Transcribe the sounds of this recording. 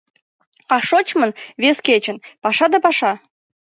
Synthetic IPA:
ɑʃot͡ɕmə̆nβeskʲet͡ɕə̆npɑʃɑd̪ɑpɑʃɑ

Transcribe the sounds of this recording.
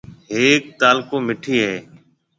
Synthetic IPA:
ɦeːk̚t̪aːlkõːmɪʈʰiːɦeː

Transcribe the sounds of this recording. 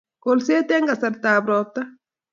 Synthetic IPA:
kolseːt̪ɛŋɡasɐɾt̪aːbɾɔp̚t̪a

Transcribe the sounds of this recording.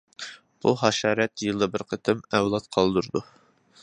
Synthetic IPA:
b̥uɦɑʃɑːɾɛt̪jɨlˠd̪ɑbɪɾqʰət̪ʰɪmɛwlˠɑt̪qʰɑlˠd̪uɾd̪u

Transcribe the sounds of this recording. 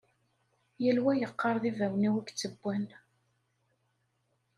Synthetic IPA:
jəlwæjəqːəɾˤðivæwniwæɡt͡sːəbːæn

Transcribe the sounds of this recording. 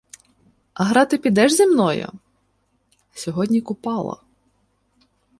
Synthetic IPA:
ɐɦɾɑt̪ɪpʲid̪ɛʒzemnɔjʊ̰ | sʲɔɦɔdʲnʲikʊpɑlˠɐ̰

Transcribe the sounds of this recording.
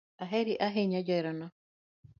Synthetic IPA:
aɦeɾiʔaɦeɲad͡ʒɔiɾɔnɔ

